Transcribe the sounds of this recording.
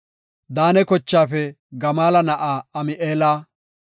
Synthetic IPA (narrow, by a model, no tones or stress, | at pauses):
d̪aːnɛkɔt͡ʃːaːfɛ | ɡɐmaːlɐnɐʔaːɐmɪʔeːlaː